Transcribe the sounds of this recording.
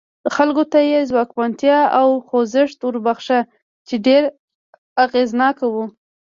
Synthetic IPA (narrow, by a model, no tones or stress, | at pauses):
xalkot̪ajezwɑkbant̪jɑawxozɪʂt̪ʊɾbaxʃa | t͡ʃeɖeɾ | aɣeznɑkawu